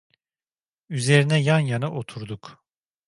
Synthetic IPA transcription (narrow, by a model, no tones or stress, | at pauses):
yze̞ɾinɛjanjanɯʔo̞t̪ʰuɾd̪uk